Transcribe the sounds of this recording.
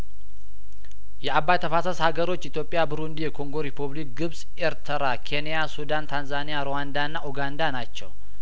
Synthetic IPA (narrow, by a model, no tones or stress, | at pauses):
jɛabːajt̪ʰəfasəshaɡəɾo̞t͡ʃːʔit̪jo̞pʼːjabɨɾund̪ijɛkʰo̞ŋɡo̞ɾepʰuβlik̚ɡɨβsʼ | eɾt̪ʰəɾakʰenijasud̪ant̪ʰanzanijaɾoand̪aɨnːaʔuɡand̪anat͡ʃːɛ̰w